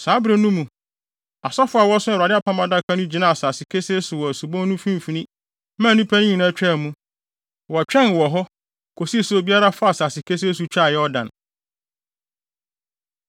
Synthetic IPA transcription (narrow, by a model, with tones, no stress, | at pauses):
sa˨˦bɾe˨nũ˦mũ˨ | a˨sɔ˦fʊ˦a˨wɔ˦sʊ˦˨a˨dɪ˦a˦˨pʰã˦mã˦da˦kʰã˦nʊ̃˦d͡ʑi˨nã˦a˨saː˨sɪ˨kʰe˦se˦sʊ˨wɔ˨æ˨su˨bɔ̃˦n˦nũ˦fĩ˦m˨fi˨nĩ˦ | mã˦˨nũ˦pʰæ˦nĩ˦ɲĩ˨nã˦t͡ɕᶣɛ˦˨mũ˦ | wɔ˨t͡ɕᶣɛ̃˦˨n˨wɔ˨ɦɔ˦ | kʰo˨si˦˨sʊ˦˨bi˦a˦ɾa˦fa˦a˨saː˨sɪ˨kʰe˦s̬e˦s̬u˨t͡ɕᶣa˦˨jɛ˦ɔ˦dã˨n